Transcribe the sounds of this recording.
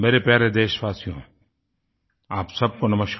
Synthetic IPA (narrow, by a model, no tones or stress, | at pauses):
meːɾepjaːɾed̪eːʃʋaːsijõ̰ | aːpsɐb̚konɐməʃk